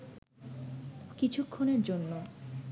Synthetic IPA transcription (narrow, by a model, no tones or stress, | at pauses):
kit͡ɕʰukʰːoneɾd͡ʑonːo